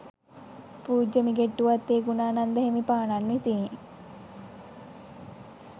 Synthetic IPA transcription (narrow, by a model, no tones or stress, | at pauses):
puːd͡ʒəmiɡeʈːuʋat̪ːeːɡunaːnand̪əɦemipaːɳanʋisi